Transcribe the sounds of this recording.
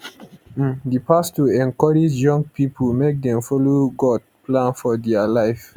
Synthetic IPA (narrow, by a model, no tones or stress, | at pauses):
depastuɛ̃nkɔɹid͡ʒjɔ̃ŋɡpipʰəlmek̚dɛ̃mfɔloɡɔd̚plãnfɔdɛalaɪf